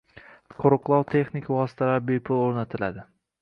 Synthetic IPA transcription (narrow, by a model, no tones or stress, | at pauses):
qʰoɾʊqlˠɒwt̪ʰe̞χnɪkʲʰvɒsɪ̥t̪ʰalaɾbepʰʊlˠoɾnat̪ʰɪlad̪ɪ